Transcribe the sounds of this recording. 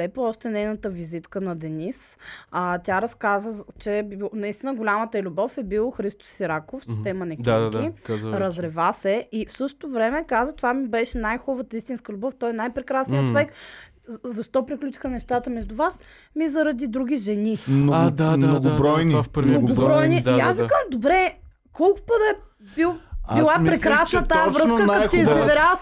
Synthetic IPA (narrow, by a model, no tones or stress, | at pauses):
ɛplˠɔʃt̪ɛnɛjnət̪əvizit̪kənɐd̪ɛnisɐt̪ʲjaɾɐskazət͡ʃɛbnɐist̪inəɡolʲamət̪əɛlʲubɔfɛbilˠoxɾist̪o̥siɾakofso̥t̪ɛmɐnɛd̪ʲadadk̪ikazɾɐzɾɛvasɛifsɤʃt̪o̥t̪ovɾɛmɛkazət̪ovamibɛʃɛnajxɔvət̪əist̪inskəlʲʊbɔft̪ɔjɛnajpɾɛkɾasnijətt͡ʃovɛk | zɐʃt̪ɔpɾiklʲut͡ʃi̥xənɛʃt̪at̪əmɛʒd̪ʊvas | mizɐɾɐd̪id̪ɾuɡ̟ʲiʒɛniad̪anoɡʊbɾɔjnifpɾnoɡɡobɾɾɔjnid̪iazvikamd̪obɾɛ | kɔlˠkʊ̥pəd̪ɐɛ | bilˠailˠampɾɛkɾɾasnət̪aavɾɤssk̪əjt̪iiznɛɐvɛɾa